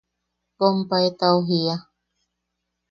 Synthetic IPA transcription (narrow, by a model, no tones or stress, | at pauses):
pompaet̪aoɦia